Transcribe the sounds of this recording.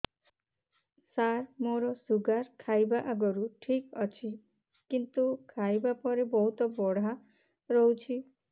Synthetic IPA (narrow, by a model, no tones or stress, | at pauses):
saɾmoɾɔsuɡaɾkʰajbaʔaɡɔɾuʈʰikɔt͡ʃʰi | kint̪ukʰajbapɔɾebɔɦut̪ɔbɔɽ̤a | ɾɔɦwt͡ʃʰi